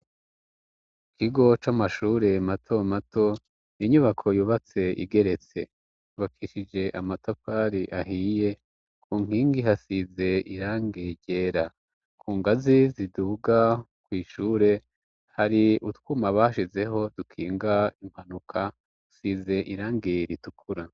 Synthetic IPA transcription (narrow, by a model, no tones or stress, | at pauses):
ikiɡo̞t͡ʃamaʃuːɾe̞matʰo̞matʰo̞ | niɲuβakʰo̞juːβat͡se̞ḭɡe̞ɾe̞t͡se̞̰ | uβakʰiʃid͡ʒe̞ʔamatopaɾiʔaɦije̞ | kʰuːŋ̥iːŋɡiɦasize̞iɾaːŋɡeɟe̞ːɾa | kʰuːŋɡaziziduːɡa | kwiːʃuːɾe̞ | haɾiutkumaβaʃize̞ɦo̞d̥ukʰiːŋɡaim̥hanukʰa | usize̞ʔiɾaːŋɡeɾitukʰuɾa